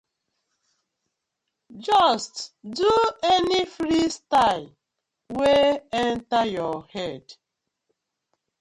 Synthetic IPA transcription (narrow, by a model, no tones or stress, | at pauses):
d͡ʒɔstduɛnifɹistal | weɛ̃ntajɔhɛd